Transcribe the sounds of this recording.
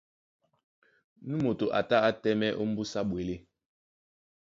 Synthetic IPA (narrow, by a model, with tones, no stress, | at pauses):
nu˦mo˨to˨ʔa̰˨ta˦a˦tɛ˦mɛ˦ʔo˦m̩˦bu˦sa˦ɓwe˨le˦